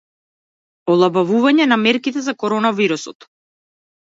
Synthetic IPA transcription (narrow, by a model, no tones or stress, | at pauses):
ɔlˠabavuvaɲɛnamɛɾkit̪ɛzakɔɾɔnaviɾusɔt̪